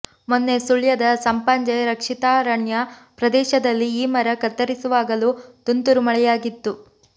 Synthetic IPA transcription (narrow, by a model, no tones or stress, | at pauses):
monːesuɭjɐd̪ɐsɐmpɐɲd͡ʒɐjɾɐkʂit̪aːɾɐɳjɐpɾɐd̪ɛːʃɐd̪ɐlːiːmɐɾɐkɐt̪ːɐɾisuʋaːɡɐlut̪unt̪uɾumɐɭɛjaːɡit̪ːu